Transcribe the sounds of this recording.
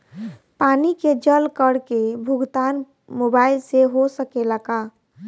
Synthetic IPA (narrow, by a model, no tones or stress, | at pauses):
paniked͡ʒəlkəɽkebʱuɡt̪an | mobailseɦosəkeləka